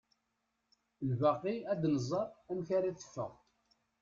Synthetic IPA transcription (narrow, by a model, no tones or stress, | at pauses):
lvaqːiæd̪nəzˤɑɾˤæmçaɾiθə̥fːə̰ʁ